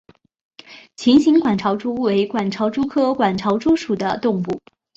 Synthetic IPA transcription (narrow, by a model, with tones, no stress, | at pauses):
t͡ɕʰi˧˥nɕi˧˥ŋkwa˨˩nʈ͡ʂʰɑ˧˥ʊʈ͡ʂu˥we˧˥ɪkwa˨˩nʈ͡ʂʰɑ˧˥ʊʈ͡ʂu˥kʰɤ˥kwa˨˩nʈ͡ʂʰɑ˧˥ʊʈ͡ʂu˥ʂu˨˩d̪ə˦t̪ʊ˥˧ŋpu˥˩